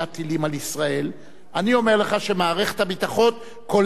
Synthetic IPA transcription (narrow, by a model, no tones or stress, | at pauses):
at̪ilimalisʁae̞l | ʔanio̞me̞ʁleχaʃe̞maːʁeχe̥t̪habit̪aχo̞t̪ | ko̞l